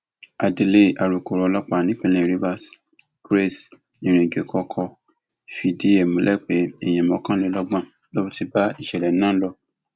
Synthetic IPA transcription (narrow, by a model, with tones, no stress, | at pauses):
a˨di˧le˦a˨ɾu˨ko˨ɾɔ˨˦lɔ˦k͡pa˨nĩ˦k͡pẽ˦˧lẽ˨ɾi˧va˧s | kɾe˦s | ĩ˨ɾ̃ẽ˨ɡe˨˦kʰɔ˧kʰɔ˧˨ | fi˧di˦e˨mõ˨˦lʔɛ˦˨k͡pe˨˦ɛ˨j̃ɛ̃˨mɔ̃˨˦kã˦nĩ˨˦lɔ˦ɡ͡bã˦˨lo˦bu˦ti˧ba˦i˦˨ʃɛ˨lɛ˨˦nã˦lɔ˧˨